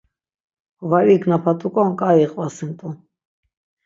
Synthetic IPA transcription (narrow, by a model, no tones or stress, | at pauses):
vaɾiknapʰat̪ʼukʼɔnkʼajiχʼvasint̪ʼu